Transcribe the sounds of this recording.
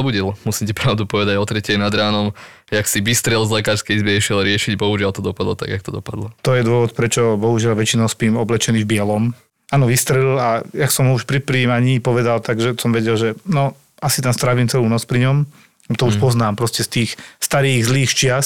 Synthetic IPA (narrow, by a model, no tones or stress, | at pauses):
ɔbuɟɛlmusimcɛpɾaʊd̪upɔʋɛd̪aɟɔt̪ɾɛcɛnad̪ɾaːnɔm | aksiʋist̪ɾɛlzlɛkaːɾskɛizbɛɛʃilɾɪɛʃiɟbɔɦuʒɪalt̪ɔd̪ɔpad̪lɔ̰t̪a̰ɡakt̪ɔd̪ɔpad̪lɔt̪ɔjɛd̪ʊɔʋɔt̪pɾɛt͡ʃɔbɔɦuʒɪalʋɛt͡ʃinɔʊspiːmɔblɛt͡ʃɛniːvbɪɛlɔm | aːnɔʋist̪ɾɛlajaksɔmuʃpɾipɾiːmaɲiːpɔʋɛd̪alt̪aɡʒɛsɔmʋɛɟɛlʒɛnɔ | asit̪amst̪ɾaʋiːmt͡sɛluːnɔt͡spɾiɲɔm | t̪ɔuʃpɔznaːmpɾɔscɛst̪iːxst̪aɾiːɣzliːxt͡ʃɪas